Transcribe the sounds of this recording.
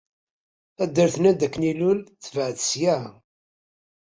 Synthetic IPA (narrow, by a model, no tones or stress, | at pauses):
æd̪ːəɾθnæd̪ækːnilʊlθəvəʕðə̥sjæ